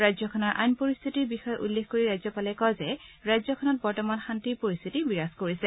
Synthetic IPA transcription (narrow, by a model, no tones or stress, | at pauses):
ɹajzɔkʰɔnɔɹʔa̰jnpoɹist̪ʰitiɹbixɔjɔʔulːexkoɹiɹajzɔpalɛkɔzɛɹajzɔkʰɔnɔt̚bɔɹtɔmanxantiɹpoɹist̪ʰitibiɹaskoɹisɛ